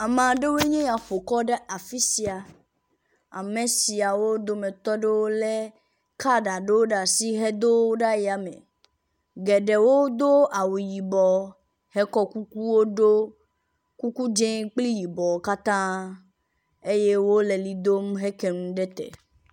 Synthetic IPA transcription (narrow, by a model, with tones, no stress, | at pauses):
a˨mã˨ɖe˦we˦ɲẽ˦ja˨ɸo˨kɔ˦ɖe˦ʔa˨fi˦si˨a˨ | a̰˨mẽ˨si˨a˨wo˦d̪o˦mẽ˨t̪ɔ˦ɖe˦wo˦le˦ | ka˦ɖa˨ɖe˦wo˦ɖa˨si˦ɦɛ˦d̪o˦o˦ɖa˦je˨a˨mḛ̃˨ | ɡɛ˨ɖe˨wo˦d̪o˦a˨wu˨ji˨bɔ˨ | hɛ˦kɔ˦ku˦ku˦wo˦ɖo˦ | ku˦ku˦d͡ʒẽ˦k͡pli˦ji˨bɔ˨ka˦t̪ã˦ | e˦je˦wo˦le˨li˨d̪o˦mɦe˦ke˨nũ˦ɖe˦t̪ɛ̰˨